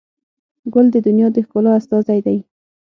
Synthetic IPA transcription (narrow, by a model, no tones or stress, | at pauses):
ɡʊld̪əd̪ʊnjɑd̪əxkolɑast̪ɑzajd̪aj